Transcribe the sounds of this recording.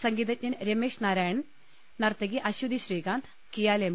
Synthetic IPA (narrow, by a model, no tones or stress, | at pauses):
sɐŋɡiːd̪ɐtʲɲɐnɾemeːʂnaːɾaːjɐɳ | nɐrt̪ɐɡiʔɐɕud̪iɕriːkaːnt̪ʰ | kijaːlem